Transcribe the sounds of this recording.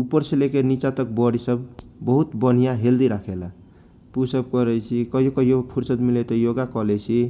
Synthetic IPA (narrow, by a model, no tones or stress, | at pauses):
upəɾselekenit͡ʃat̪ək̚bɔɽisəbbəɦut̪bən̤ijaɦeld̪iɾakʰela | pusəb̚kəɾɛjt͡ʃʰikəɦijokəɦijopʰuɾsət̪milet̪ɔjoɡakɔlɛt͡ʃʰi